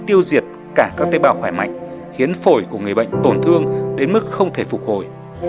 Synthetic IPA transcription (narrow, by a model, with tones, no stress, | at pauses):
t̪i˧əwzi˨˩ət̚ | kaː˧˩kaː˦˥k̚t̪e˨˦˥ɓaː˧˩wxwaː˧˩jma̰˧˨jŋ̟xi˨˦ənfo˧˩jku˧˩əŋɨ˨˩əjɓə̰˧˨jŋ̟t̪o˨˩nt̪ʰɨ˧əŋɗe˨˦nmɨ˦˥k̚xə˧wŋ͡mt̪ʰe˧˩fʊ˨˩k͡p̚ho˧˩j